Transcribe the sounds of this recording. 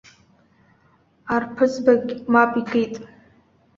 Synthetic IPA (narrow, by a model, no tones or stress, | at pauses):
arpʰɨzbaɡʲmapʼikʰejtʼ